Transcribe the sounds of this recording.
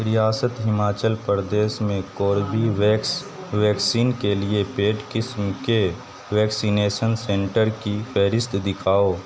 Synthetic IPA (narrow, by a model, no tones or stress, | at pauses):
ɾɪjaːsət̪ɦɪmaːt͡ʃəlpəɾd̪eːsmẽkoːɾbiʋɛks | ʋɛːksiːnkeliepeːʈkɪsmke | ʋɛːksineːʃənsẽɳʈəɾkifʰɛːɾɪst̪ʰd̪ɪkʰaːoː